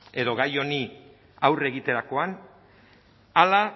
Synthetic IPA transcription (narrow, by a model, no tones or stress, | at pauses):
e̞ðo̞ɣajo̞ni | awre̞ɣit̪e̞ɾako̞an | ala